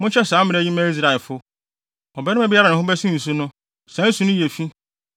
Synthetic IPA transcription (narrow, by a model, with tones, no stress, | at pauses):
mʊ̃˦t͡ɕʰɛ˦sãː˨˦mɪ̃˨˦ɛ˦˨ji˦mæ̃˦i˦s̬ɾa˨ɛ˨lfʊ˦ | ɔ˨bɛ˦nʊ̃˦æ˦bɪ˦a˦ɾa˨nɪ̃˨ɦʊ̃˦bɛ˦sũ˦ĩ˨s̬u˦nʊ̃˦ | sã˨˦n̩˦su˨nʊ̃˦je˨fi˦